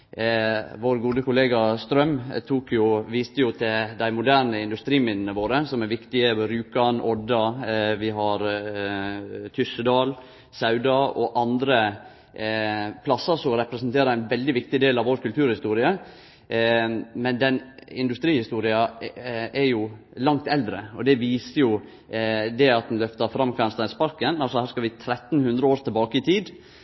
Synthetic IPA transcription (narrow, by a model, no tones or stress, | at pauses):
ʋoːɾɡuːd̪əkʊleːɡɑst̪ɾœmt̪ʰuːkjʊʋiːst̪əjʊt̪ʰɪld̪æɪmʊd̪æɾnəɪnd̪ʉst̪ɾiːmɪnn̩əʋoːɾəsɔmæɾʋɪkt̪ɪəɾʉːkɑnʔɔd̪ɑʋɪɦɑɾ | t̪ʰʏsəd̪ɑːl | sɑʉd̪ɑɔʔɑnd̪ɾə | pʰlɑsəɾsɔɾɛpɾɛsnt̪ʰeːɾəæɪnʋɛld̪ɪʋɪk̚t̪ɪd̪eːlɑʋɔɾkʉlt̪ʰʉːɾhɪst̪uːɾɪə | mɛnd̪ɛnɪnd̪ʉst̪ɾiːhɪst̪uːɾɪɑ | ɛɾjʊlɑŋt̪ɛld̪ɾəɔd̪ɛʋiːsəjʊ | d̪ɛɑt̪̚d̪n̩lœft̪əɾfɾɑmːkʰʋænst̪ɑɪspɑɾkənɑlsɔhæːɾskɑʋɪt̪ʰɾɛt̪ːn̩hʉnd̪ɾəoːɾt̪ʰɛlbɑːkəɪt̪ʰiːd̪